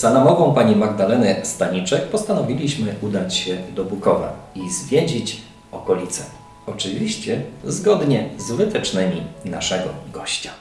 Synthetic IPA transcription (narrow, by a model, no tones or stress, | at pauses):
z̥anamɔvɔ̃w̃paɲimaɡd̪alɛnɛst̪aɲit͡ʂɛk̚pɔst̪anɔvʲilʲiɕmɘud̪at͡ɕɕɛd̪ɔbukɔva̰izvʲjed͡ʑit͡ɕ | ɔkɔlʲit̪sɛ | ɔt͡ʂɘvʲiɕt͡ɕɛzɡɔd̪ɲɛzvɘt̪ɛt͡ʂnɘmʲina̰ʂɛɡɔɡɔɕt͡ɕḁ